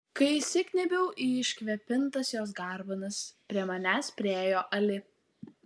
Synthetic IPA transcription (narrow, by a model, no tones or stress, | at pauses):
kɐɪsʲɪkʲnʲɛbʲɛʊʔiːɪʃʲkʲʋʲɛpʲɪnt̪ɐsjoːs̬ɡɑˑɾbɐnɐspʲɾʲiɛmɐnʲæːspʲɾʲeːjoːʔɐlʲɪ